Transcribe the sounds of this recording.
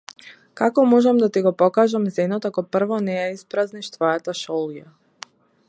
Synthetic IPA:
kakɔmɔʒɛmd̪at̪iɡɔpɔkaʒamzɛnɔt̪akɔpr̩vɔnɛjaispɾazniʃt̪vɔjat̪aʃɔlˠja

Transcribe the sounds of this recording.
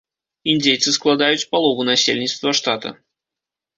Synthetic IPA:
ind͡zʲejt̪sɨsklˠad̪ajut͡sʲpalˠɔvunasʲḛlʲnʲit̪st̪vɐʂt̪at̪ɐ̰

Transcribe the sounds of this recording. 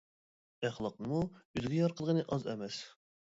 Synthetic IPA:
æχlˠɑqnɨmuyzɡʲɛjɑɾqʰəlˠʁənɨʔɑzɛ̰mɛs

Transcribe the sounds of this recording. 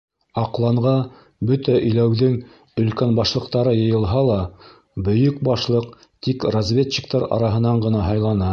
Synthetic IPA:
ɑqlˠɑɴʁɑ | bɵt̪æʔɵ̆jlæwðɘŋ | ɵ̆lkænbɑʃlˠɤ̆qt̪ɑɾɤjɤ̆jɤ̆lˠɦɑlˠɑ | bɵ̆jɵk̚bɑʃlˠɤq | t̪ikrɐzvʲet̪t͡ɕːik̚t̪ɑɾɑ̰ɾɑɦɤ̆nɑɴɢɤ̆nɑɦɑjlˠɑnɑ

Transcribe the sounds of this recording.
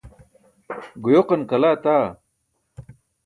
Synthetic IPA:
ɡujoqɐnkɐlaːt̪aː

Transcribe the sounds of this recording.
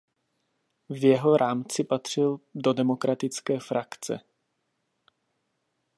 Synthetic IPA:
vjɛɦoɾʔaːmt͡sɪpat̪r̝̥ɪldo̞dɛmo̞kɾʔat̪ɪt͡skɛːfɾakt͡sɛ̰

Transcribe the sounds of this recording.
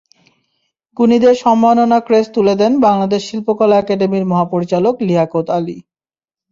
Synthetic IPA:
ɡunid̪eɾʃɔmːanonakɾest̪uled̪ɛnbaŋlad̪eʃːilpokɔlaɛkaɖemiɾmɔɦapoɾit͡ɕalokliɦakot̪ali

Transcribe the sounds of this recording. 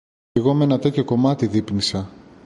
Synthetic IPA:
iɣo̞menɐt̪eceko̞mɐt̪iðipnisɐ

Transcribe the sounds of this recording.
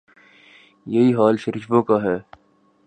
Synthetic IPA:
jɐɦiːɦaːlʃɐɾɪt͡ʃbõːkaɦɛː

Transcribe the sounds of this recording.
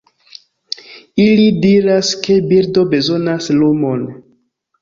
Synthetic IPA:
ilidiɾaske̞biɾdo̞be̞zo̞naslumo̞n

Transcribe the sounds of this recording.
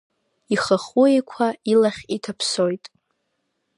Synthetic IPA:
iχəχuekʷʰailaχʲitʰapʰsojtʼ

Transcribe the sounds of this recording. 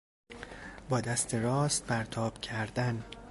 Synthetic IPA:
bɒːd̪æst̪ʰeɾɒːst̪̚pʰæɾt̪ʰɒːb̥cʰæɾd̪æn

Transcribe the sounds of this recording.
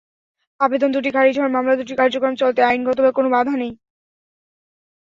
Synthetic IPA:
abed̪ond̪uʈ̬ikʰaɾid͡ʑʱɔɾmamlad̪uʈikaɾd͡ʑokɾomt͡ɕolt̪eajnɡɔt̪obakonobad̪ʱanej

